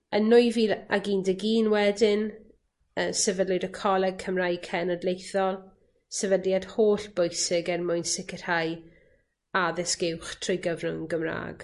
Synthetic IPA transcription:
ənːʊjviːða̰ɡiːndəɡiːnwɛdɪn | əːsɛvədlʊdəkʰɔlˠɛɡ̚kʰəmrajkʰɛnədlejθɔlˠ | sɛvədjad̥hoːɬb̥ʊjsɪɡɛrmʊjnsɪkər̥haj | aðɪsɡ̥ɪwχtʰrojɡəvnʊnɡəmra̰ːɡ̥

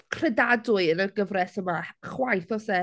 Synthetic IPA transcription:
kʰr̥ɛdadʊɨənəɡəvrɛsəmaχwajθɔsɛ

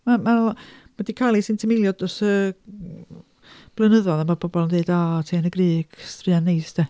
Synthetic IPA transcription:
mamamadikʰalˠisɪntʰimɪlˠjɔdɔsə | b̥lˠənəðɔðamab̥ɔbɔlˠndeɨdaːtʰenəɡriːɡ̥strɨanːejsd̥ɛ

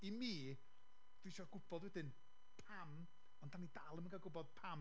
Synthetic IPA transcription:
imiː | d̥wiʃɔɡʊbɔdwɛdɪn | pʰam | ɔndanidalˠəməŋɡaɡʊbɔd̥̚pʰam

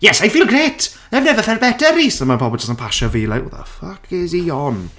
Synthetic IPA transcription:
jɛsajfiːlˠɡreːtʰ | nɛvnɛvəfɛrbɛdəɾisəmapʰɔbɔd͡ʒəsənpʰaʃaviːlˠa̰ða̰fakʰɪzijɔn

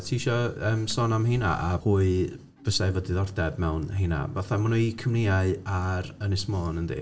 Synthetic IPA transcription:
tʰiiʃɔəːmsɔːnamɦena̰ʔahuːɨ | b̥əsavɔdiðɔrdɛbmɛwnhena̰vaθamanuikʰəmnejaɨaɾənɪsmɔːnəndḭː

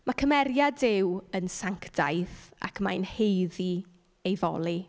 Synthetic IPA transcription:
makʰəmɛɾjadɪwənsaŋkʰd̥ajθa̰kʰma̰jnhejði | ejvɔ̰lˠi

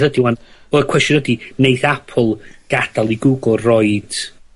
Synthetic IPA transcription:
ðədiwanɔkʰw̥ɛstɔnədinejθapʰɔlˠɡ̥ad̥alˠiɡʊɡʊrrɔɨd̥

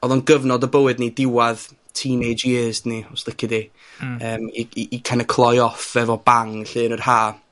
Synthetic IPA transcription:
ɔðˠɔnɡəvnɔdəbəwɨdnidɪwað | tʰiːnejd͡ʒizniɔslˠɪkʰɪdi | əːmiiːkʰanəkʰlˠɔjɔfɛvɔb̥aŋɬɨːnərhaː

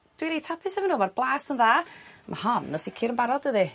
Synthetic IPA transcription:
d̥wiɾejtʰapʰɪsɛmanuːmarblˠaːsənðaːmʔa̰hɔnːɔsikʰɪɾənbaɾɔdəði

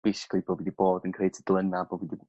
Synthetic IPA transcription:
b̥ejsɪ̥kʰlˠiboːvidiboːdənkʰrej̚tʰəd̥lˠənaboːdvidi

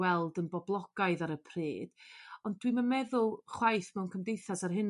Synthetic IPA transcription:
wɛlˠdənbɔblˠɔɡ̥aɨðaɾəpʰr̥iːd̥ɔnd̥wimanmɛðʊlˠχwajθmɛwnkʰəmdejθasarɦɪn

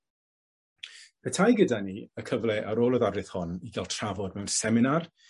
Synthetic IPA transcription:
pʰɛtʰajɡədaniəkʰəvlɛʔaɾoːlˠɔðadɨθhɔniɡalˠtʰravɔdmɛwnsɛmɪnar

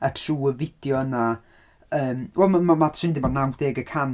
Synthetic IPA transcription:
ətʰruːəvɪd̥jɔəna | əːmwɛlˠmamamatsɪndɪbɔnawd̥eːɡəkʰan

